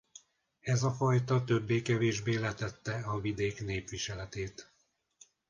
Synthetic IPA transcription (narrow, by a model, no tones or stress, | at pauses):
ɛzɒfɒjt̪ɒt̪ø̞bːeːkɛveːʒbeːlɛt̪ɛt̪ːɛɒvid̪eːkn̪eːpʋiʃɛlɛt̪eːt̪